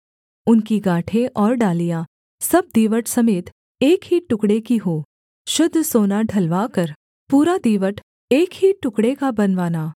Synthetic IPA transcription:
ʊnkiɡaːʈʰeʔɔːɾɖaːlija | sɐb̚d̪iːʋəʈʰsɐmeːt̪ | eːkɦiːʈːʊkɽekiɦoː | ʃʊd̪ʱːsoːnaɖʱɐlʋaːkɐɾ | puːɾad̪iːʋəʈʰ | eːkɦiʈːʊkɽekabɐnʋaːnaː

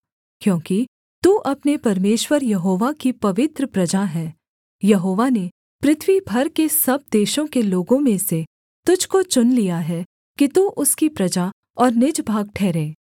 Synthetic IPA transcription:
kjõːki | t̪uːʔɐpnepɐɾmeːʃwəɾjɐɦoːʋakipɐʋɪt̪ɾəpɾɐd͡ʒaɦɛː | jɐɦoːʋane | pɾɪt̪ʰʋibʱɐɾkesɐb̚d̪eːʃõkeloːɡõmẽse | t̪ʊd͡ʒʱkot͡ʃʊnlijaɦɛː | kit̪uʔʊskipɾɐd͡ʒa | ɔːɾnɪd͡ʒbʱaːɡ̚ʈʰɛːɾẽː

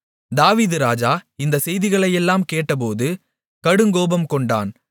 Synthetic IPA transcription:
d̪aːʋiːðɯɾaːd͡ʒaːɪnd̪ɐsɛjðɪɣɐɭɐjɛlːaːmkeːʈːɐp̬oːðɯ | kɐɽɯŋɡoːbɐmkɔɳɖa̰ːn

